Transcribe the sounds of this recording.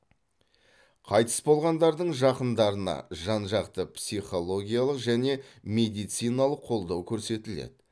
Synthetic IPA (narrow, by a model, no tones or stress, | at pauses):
qʰɑjt̪ə̥sbo̞lˠʁɑnd̪ɑɾd̪əɴʒɑqənd̪ɑɾənɑ̰ʒɑnʒɑqt̪əpsiχo̞lˠo̞ɡʲijalˠəqʒæne̞me̞d̪ijt̪sijnɑlˠəqʰːo̞lˠd̪ɑwkʲʰɵɾse̞t̪ɪlḛd̪̥ɪ